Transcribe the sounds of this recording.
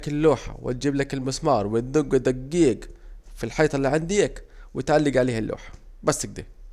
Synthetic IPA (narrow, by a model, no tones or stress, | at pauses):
kɪlːuːħa̰wɪ̰t̪̚d͡ʒiːblakɪlmɪsmɑːɾˤwɪd̪ʊɡɪd̪aɡːiːɡfilħɑjːt̪ˤɑlːiːʕand̪iːkwɪt̪ʕalːɪɡʕaleːhalːʔṵːħḁ | basːɪɡ̚d̪ḭː